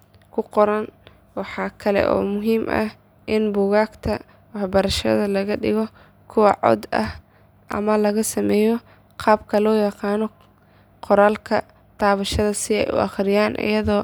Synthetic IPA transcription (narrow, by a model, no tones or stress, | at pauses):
kʰʊqɔɾɐn | wɑħɑːkʰɐlɛ̰ʔɔ̰ːmʊɦiːmʔɐ̰h | ʔɪnbʊːɣaːɡt̪ʰɐ̰ | wɑħbɐɾɐʃɐ̰ðɐlɐɣɐɖɪɣɔ | kʰʊwɑʕɔ̰d̪ɐ̰h | ʔɐ̰mɐlɐɣɐsɐmɛːjɔ | qʰɑːbkʰɐlɔːjɑqɑːnɔ | qɔɾaːlkʰɐ | t̪ʰaːβɐʃɐðɐsɪɛ̰jʊ̰ʔɑ̰χɾɪjaːnʔɪ̰jɐðɔː